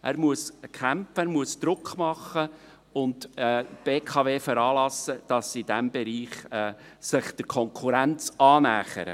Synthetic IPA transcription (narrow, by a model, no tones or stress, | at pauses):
ʔæːɾmuəskʰæmfəæɾmuəsd̥̪ɾʊkχmɑχə | ʊndɛːb̥eːkʰɑveːfəɾɑːlɑsəd̥ɑsidæmbɛɾiːχɛː | sɪχd̥əɾkʰɔŋkʰuɾænt͡sɑːnæːχə̰ɾə̰